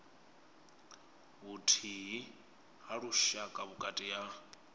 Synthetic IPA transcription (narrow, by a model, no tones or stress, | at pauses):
ɦutʰiɦi | haɺuʃakʼaβukʼatʼija